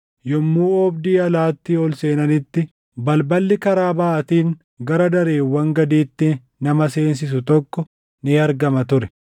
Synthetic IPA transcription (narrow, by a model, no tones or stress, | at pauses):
jɔmːuːɔbd̪iːɐlaːt̪ːɪɔlse̞ːnɐnɪt̪ːɪ | bɐlbɐlːɪkɐɾaːbɐːʔɐt̪iːŋ | ɡɐɾɐd̪ɐɾe̞ːwːɐŋɡɐd̪iːt̪ːɪ | nɐmɐse̞ːns̬ɪs̬ʊt̪ɔkːɔ | nɪɐɾɡɐmɐt̪ʊɾɛ